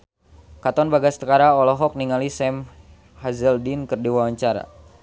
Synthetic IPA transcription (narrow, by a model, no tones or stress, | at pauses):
kat̪ɔnbaɡast̪əkaɾaɔlɔɦɔk̚niŋalisɛm | hazəldinkərdiwaaɲt͡ʃaɾa̰